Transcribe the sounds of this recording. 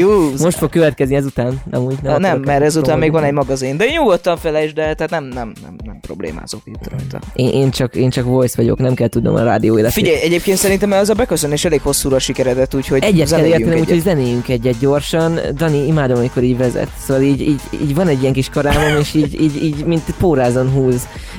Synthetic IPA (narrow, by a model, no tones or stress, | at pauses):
juːmo̞ʃfo̞kːøvɛt̪kɛzniɛzut̪aːnɒ̰muːɟnɛmnɛmːɛɾɛzut̪aːmmeːɡvɒnɛɟmɒɡɒzind̪ɛeːɲɲuɡot̪ːɒɱfɛlɛeːʃd̪ɛt̪ɛhat̪nɛmnɛmnɛ̰mnɛmpɾo̞̰blḛːma̰ːzokit̪ːt̪ɒ̰eːnʔeːnt͡ʃɒkeːnt͡ʃɒkvo̞jsʋɒɟo̞̰knɛmkɛlt̪ud̪nom̰ɾaːd̪ioːeːlɛt̪fiːɟɛjjɛɟeːp̚keːnt̪sɛɾint̪ɛmɛɛzɒbɛkøsøneːʃɛleːkho̞sːuːɾɒʃikɛɾɛd̪ɛt̪uːcho̞ɟɛɟːɛt̪zɛlːeːrt̪nɛmuːcho̞ɟzɛneːjyŋkɛɟːɛt̪̚ɟo̞rʃɒnd̪ɒniimaːd̪omɒmiko̞ɾiːɟvɛzɛ̰t̪soːvɒliːɟiːɟḭːɟvɒnɛɟːijɛŋkiʃkɒɾaːmomeːʃiːɟiːɟiːɟmint̪poːɾaːzonɦuːz